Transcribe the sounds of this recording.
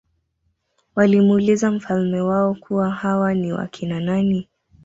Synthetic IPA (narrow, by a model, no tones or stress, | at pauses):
walimulizam̩falmɛwaɔkʰuwahawaniwa̰kʰinanani